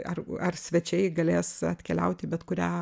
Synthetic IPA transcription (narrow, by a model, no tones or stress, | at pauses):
ɐrɐrsʲʋʲɛt͡ʃʲɛɪɡɐlʲeːsɐ̰t̪ʲkʲɛlʲɛ̰ʊt̪ʲɪbʲɛt̪kʊɾʲæː